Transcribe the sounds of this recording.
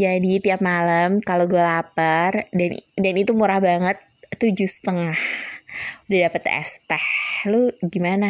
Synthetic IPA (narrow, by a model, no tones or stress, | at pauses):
d͡ʒadit̪iap̚malamkaloɡualapərdandanit̪umuɾahbaŋət̪̚ːud͡ʒʊhsə̥t̪əŋah | udadapət̪ɛ̰st̪ɛhluɡimana